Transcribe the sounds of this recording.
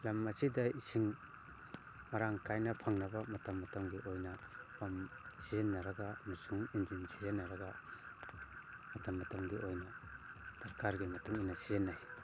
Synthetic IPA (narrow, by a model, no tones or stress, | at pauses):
lamːɐsidɐisiŋ | maɾaŋkajnɐpʰaŋnɐbɐmɐtɐmːɐtɐmɡiʔojnɐpamsizenːɐɾɐɡanusuŋind͡ʒinsi̥zenːɐɾɐɡa | mɐtɐmːɐtɐmɡiʔojnɐsʰɐɾkaɾɡimɐtuŋinɐsizenːaj